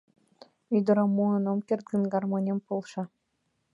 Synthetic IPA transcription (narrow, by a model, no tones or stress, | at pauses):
yd̪ɤ̆ɾɤmːuɤnomkʲerd̪ɯnɡɑrmonʲempolˠʃɑ